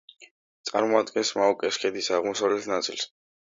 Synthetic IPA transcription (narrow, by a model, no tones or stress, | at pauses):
t̪sʼa̰ɾmɔad̪ɡɛnsmaɔkʼɛskʰʼɛd̪isaʁmɔsavlɛt̪ʰnat̪sʼils